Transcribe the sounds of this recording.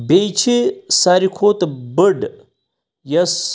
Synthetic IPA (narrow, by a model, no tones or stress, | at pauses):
bejt͡ʃʰesaːɾikʰoːt̪bəɖ | jɐs